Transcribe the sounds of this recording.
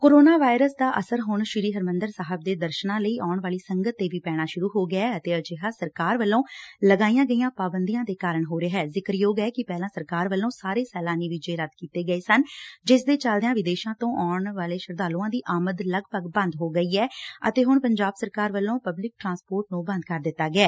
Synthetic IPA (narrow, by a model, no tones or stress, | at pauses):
koːɾoːnaːʋaːɪɾəsd̪aːʔəsəɾɦʊɳʃɪɾiːɦəɾmə̃nd̪əɾsaːɦəb̚d̪eːd̪əɾʃnãːləiːʔaːɳʋaːliːsəŋɡət̪ːeːʋiːpɛːɽ̃aːʃʊɾuːɦoːɡɪaːət̪eːəd͡ʒeɦaːsəɾkaːɾʋəlːõːləɡaːijãːɡəiːjãːpaːbənd̪ijãːd̪eːkaːɾəɳɦoːɾeɦɛːzɪkəɾjoːɡɛːkɪpɛːlãːsəɾkaːɾʋəlːõːsaːɾeːsɛːlãːniːʋid͡ʒeːɾəd̪kiːt̪eːɡəeːsənd͡ʒɪsd̪eːt͡ʃəld̪eãːʋɪd̪eːʃãːt̪õːʔaːɳʋaːleːʃəɾd̪aːluːãːd̪iːʔaːməd̪ləɡpəkbə̃nd̪ɦoːɡəiːɛːə̰t̪eːɦʊɳpəɲd͡ʒaːbsəɾkaːɾʋəlːõːpəblɪk̚ʈɾãːspoːɾʈnũːbə̃nd̪kəɾd̪ɪt̪ːaːɡɪɛː